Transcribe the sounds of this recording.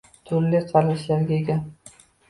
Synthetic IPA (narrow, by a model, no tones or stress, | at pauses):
t̪ʰʊɾlɪqʰɑlaʃlaɾɡʲaeɡʲa